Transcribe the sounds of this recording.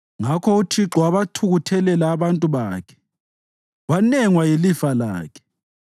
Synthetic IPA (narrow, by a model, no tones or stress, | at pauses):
ŋakʰɔut͡ʃʰiǁɔwaβatʰuɣutʰɛlɛlaːβantʼuβaːkʰɛ̥ | wanɛŋwajelifala̰ːkʰɛ̥